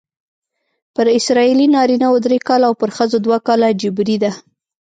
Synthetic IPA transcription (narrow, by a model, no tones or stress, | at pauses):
pəɾɪsɾɑilinɑɾinawod̪ɾekɑlawpəɾxəzod̪wakɑlad͡ʒɪbɾid̪a